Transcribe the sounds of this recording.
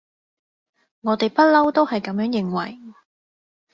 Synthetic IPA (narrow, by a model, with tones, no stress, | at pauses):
ŋɔː˨˧t̪e˨jpɐ˥lɐ˥wt̪o˥whɐ˨jkɐ˨˥mjœː˨˥ŋjɪ˨ŋwɐ̰˨˩j